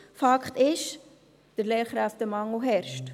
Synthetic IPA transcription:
fɑkχt̪ɪʃ | d̥əɾlɛːɾχɾæftəmɑŋʊɦɛɾʃt

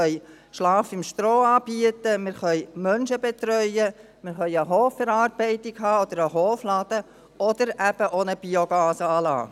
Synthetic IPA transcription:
œj | ʃlɑːfɪmʃtɾoːɑːbiət̪əmɪɾχœjmœnʃəbɛt̪ɾœʏə | mɪɾχœʏəɦɔːfɛɾɑːrb̥ɛɪt̪ɪɡɦɑːɔd̥̪əɾəɦɔːflɑd̥̪ə | ɔd̪əɾæb̥əʔonəb̥ioɡɑːsəɑːlɑ̰ː

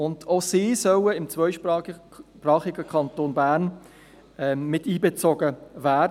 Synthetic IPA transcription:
ʊndʰosiːsœwəɪmt͡svʋœʏʃpː | prɑːχɪɡəkʰɑntoːnbæːɾn | ɛmɪtiːbɛt͡soɡəvæːd

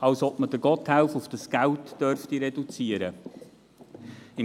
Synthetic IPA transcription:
ɑlsɔbməd̥əɡ̥ɔthawfʊfd̥əsɡ̥æwtd̥œɾftiɾɛdut͡siəɾə | ɪ

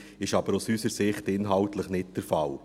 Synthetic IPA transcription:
ɪʃɑb̥əɾusysəɾsɪχtɪnɦɑltləχnɪt̚d̥ɛɾfɑl

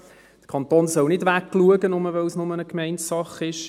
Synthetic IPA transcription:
d̥ə̥kʰɑnt̪oːnsœlnɪdʋækːluəɡənʊməʋɛlsnʊmənəkmɛɪntsɑχɪʃ

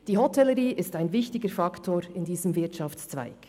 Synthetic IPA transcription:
d̥iːhɔtʰɛləɾiːʔɪstaɪnvɪçtɪɡəɾfɑktʰoːɾɪndiːzəmvɪɐtʃɑft͡st͡sva̰ɪk

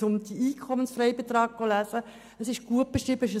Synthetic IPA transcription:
ʊmd̥̪iiːkʰɔmənsfrɛɪbet̪rɑːɡ̚ɡ̥olæːzə | əsɪʃɡ̥uət̚b̥eʃɾiːbəɪʃ̬ə

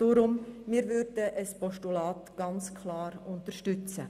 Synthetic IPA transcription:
d̥oːɾʊmmiːɾvʏɾdəʔəspɔʃtulaːtɡ̥ɑnt͡skʰlɑːɾʊntəɾʃtʏt͡sə̰

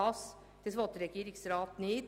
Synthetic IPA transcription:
ɑs | t̪ʰɪsʋɔt̪ɾɛkəɾɪksɾɑːt̪niːt̪

